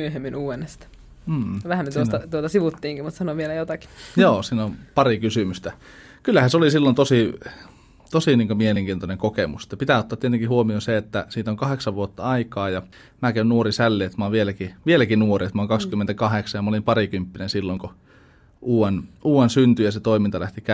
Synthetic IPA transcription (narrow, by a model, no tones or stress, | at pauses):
myøhemːinuːenːest̪ɑ̥ | m̩ːʋæhæmmet̪uost̪ɑt̪uot̪ɑsiʋut̪ːiːŋkimut̪sɑnoʋielæjot̪ɑki̥joːsiːnompɑrikysymyst̪æ | kylːæhæseolisilːont̪osi | t̪osiniːŋkomieleŋkiːnt̪oneŋkokemuse̥t̪ːɑpit̪æˑot̪ːɑːt̪iet̪eŋkihuomionseet̪ːæsiːt̪oŋkɑheksɑʋʋuot̪ːɑɑikɑːjɑ | mæːkeynnuorisælːiet̪mɑoʋielækiʋielækinuoriet̪mæˑoŋkɑkskymːent̪ækɑheksɑjɑmɑolimpɑrikympːinensilːoŋko | ʔuːwenuːwensynt̪yjɑset̪oimint̪ɑlæht̪ikæ